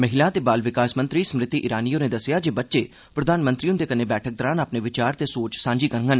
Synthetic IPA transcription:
məɦɪlaːt̪eːbaːlʋɪkaːsmənt̪ɾiːsəmɾɪt̪iːʔɪɾaːnijõːnẽːd̪əsɪjaːd͡ʒeːbətːʃeː | pɾəd̪aːnmə̃nt̪ɾiːʊnd̪eːkəneːbɛːʈʰək̚d̪ɔːɾãːnaːpneːʋɪt͡ʃaːɾt̪eːsoːt͡ʃsãːɲd͡ʒiːkəɾŋɡən

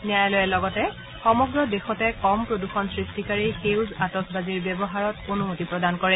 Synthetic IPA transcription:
niajlojɛlɔɡɔtɛ | xɔmɔɡɹɔdexɔtɛkɔmpɹoduxɔnsɹistikaɹixewzatɔkbaziɹbjɛbɔɦaɹɔtonumotipɹɔdankɔɹɛ

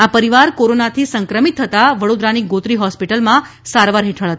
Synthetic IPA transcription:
apəɾiʋaɾkoɾonat̪ʰisəŋkɾəmit̪ʰːət̪aʋəɽod̪ɾaniɡot̪ɾiɦɔspiʈəlmã | saɾʋaɾɦeʈʰəɭɦət̪

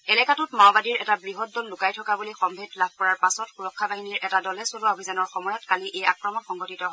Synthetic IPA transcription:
ɛlɛkatutmabadiɹɛtabɹiɦɔt̚dɔlːʊkajtʰɔkabulixɔmbʱetlab̚ʱkɔɹaɹpasɔtxuɹɔkʰːabaɦiniɹɛtadɔlɛsolaobʱizanɔɹxɔmɔjɔtkaliʔejakɹɔmɔtxɔŋɡɔtitɔɦɔ

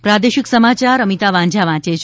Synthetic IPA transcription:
pɾad̪eʃɪksəmat͡ʃaɾəmit̪aʋãɲd͡ʒʱaʋãt͡ʃet͡ʃʰ

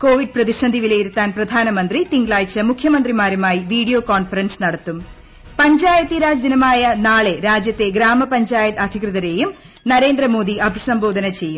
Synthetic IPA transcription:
koːʋiɖ̚prɐðiʂɐnd̪ʱiʋilejiɾut̪ːaːnprɐd̪ʱaːnɐmɐnd̪rit̪iŋɡɭaːjt͡ɕːɐmukʰjɐmɐnd̪rimaːɾumaːjiʋiːɽijoːkoːnfɐɾɐnsnɐɽɐt̪ːum | pɐɲd͡ʑaːjɐt̪iɾaːd͡ʑɐd̪inɐmaːjɐnaːɭe̞ɾaːd͡ʑjɐt̪ːe̞ɡɾaːmɐpɐɲd͡ʑaːjɐt̪ɐd̪ʱikrɨðɐɾe̞ːjum | nɐɾe̞ːnd̪ɾɐmo̞ːd̪iɐbʱisɐmbo̞ːd̪ʱɐnɐt͡ɕe̞jːum

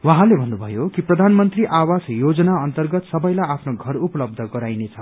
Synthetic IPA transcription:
wʌɦãlebʱʌnːubʱʌjokiprʌd̪ʱanmʌnt̪riʔawasjod͡zʌnaʌnt̪ʌrɡʌt̪sʌbʌjlajapʰnoɡʱʌrupʌlʌb̚d̪ʱʌɡʌɾajnet͡sʰʌ

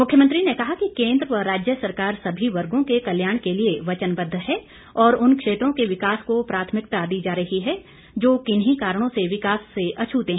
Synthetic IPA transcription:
mʊkʰːjəmə̃nt̪ɾinekɐɦakikẽːnd̪ɾəɾːaːd͡ʒjəsɐɾkaːɾsɐbʱiʋɐɾɡõkekɐljaːɽ̃kelieʋɐt͡ʃənbɐd̪ʱːɦɛː | ɔːɾʊnkʃeːt̪ɾõkeʋɪkaːskopɾaːt̪ʰmɪkt̪ad̪iːd͡ʒaːɾɐɦiɦɛ | d͡ʒoːkɪnɦikaːɾɽ̃õseʋɪkaːsːeɐt͡ʃʰuːt̪eɦː

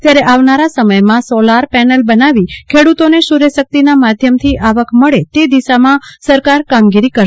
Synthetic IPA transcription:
t̪jaɾeʔaʋnaɾasəməjmãsɔlaɾpɛnəlbənaʋikʰeɽut̪oneʃuɾesək̚t̪inamad̪ʱjəmt̪ʰiʔaʋəkməɭet̪ed̪iʃamãsəɾkaɾkamɡiɾikəɾ

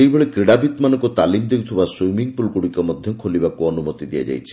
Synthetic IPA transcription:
ejbʱɔɭekɾiɽabit̪manɔŋkut̪alimd̪ewt̪ʰibaswujmiŋpulkuɽikɔmɔd̪ʱjɔkʰolibakuɔnumɔt̪id̪ija̰d͡ʒa̰jt͡ʃʰi̥

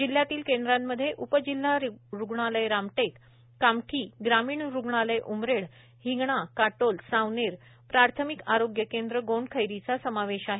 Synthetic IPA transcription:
d͡ʑil̤ːjat̪iːlkend̪ɾamːəd̪ʱːjeʔupəd͡ʑilːaɾɾuɡɳaləjɾamʈekː | amʈʰiːɡɾamiːɳɾuɡɳaləjʔumɾeɭ | hiŋɡɳakaʈolsawneɾ | pɾaɾt̪ʰəmikaɾoɡjəkend̪ɾəɡoɳɖkʰəjɾit͡sasəmaʋeɕaɦe

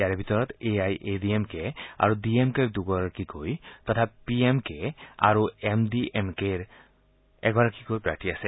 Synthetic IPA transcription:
aɾebʱit̪ɔɹɔt̪eajʔediemkea̰ɹudiemked̪uɡɔɹakikojt̪ɔt̪ʰapiemkea̰ɹuemdiʔemkeɹ | ɛɡɔɹakikojpɹaʈʰiase

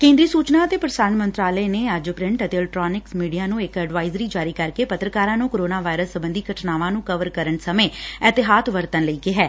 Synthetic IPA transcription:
kẽːnd̪ɾiːsuːt͡ʃnaːət̪eːpɾəsaːnmənt̪ɾaːləeːneːəd͡ʒpɾɪ̃ɳʈət̪eːlʈɾɔːnɪksmiːɖijaːnũːɪkɛɖʋaːɪzɾiːd͡ʒaːɾiːkəɾkeːpət̪ɾəkaːɾãːnũːkoːɾoːnaːʋaːɪɾəsːəbənd̪iːɡʱəʈʰnaːʋãːnũːkəʋəɾkəɾənsəmẽːɛːt̪ɪɦaːt̪ʋəɾt̪ənləiːkeɦɛː

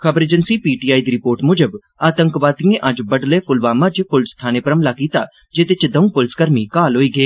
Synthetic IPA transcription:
kʰəbəɾeːd͡ʒənsiːpiːʈiːaːiːd̪iːɾɪpoːɾʈmʊd͡ʒəb | aːt̪əŋkʋaːt̪ijẽʔəd͡ʒbəɖleːpʰʊlʋaːmãt͡ʃpʊlst̪ʰaːneːpəɾəmlaːkiːt̪aː | d͡ʒeːt̪et͡ʃd̪ə̃ũːpʊlskəɾmiːkaːlɦoːiːɡeː

